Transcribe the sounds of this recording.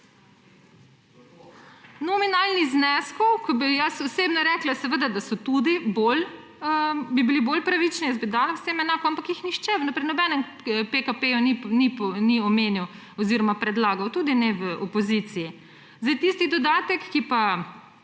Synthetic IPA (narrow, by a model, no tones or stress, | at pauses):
nɔminaːlniznɛskɔwkɔbijasɔseːbnɔɾɛklasɛʋəd̪ad̪asɔt̪ud̪ibol | bibilibolpɾaʋit͡ʃnijɛzbid̪aːlawsemɛnaːkɔampakjixnixt͡ʃɛʋnpɾinɔbɛnɛm | pekapejuninipniɔmeːniw | ɔziɾɔmapɾɛd̪laːɡawt̪uːd̪inɛʋəɔpɔzit̪siji | zd̪ajt̪ist̪id̪ɔd̪aːt̪ɛkːipa